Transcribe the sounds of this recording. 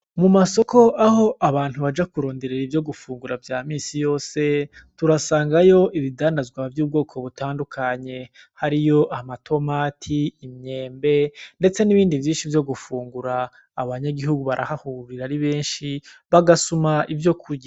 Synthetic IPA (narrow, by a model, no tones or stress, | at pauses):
mumaso̞ko̞ʔaho̞ʔaβaːn̥huβad͡ʒakuɾo̞ːnde̞ɾeɾivjo̞ɡufuːŋɡuɾavjaːmiːsijo̞ːse̞tuɾasaːŋɡajo̞ʔiβidaːndazɡwavjuːb̚ɡo̞ːkʰo̞βutaːndukʰaɲe̞ | haɾijo̞ʔamatʰo̞matʰiːmɲe̞ːmbe̞nde̞t͡se̞niβiːndivjiːnʃivjo̞ɡufuːŋɡuɾaː | βaɲaɡiɦuɡuβaɾʔa̰hahuɾiɾaɾiβe̞ːnʃiβaɡasumaivjo̞kʰuɾɟa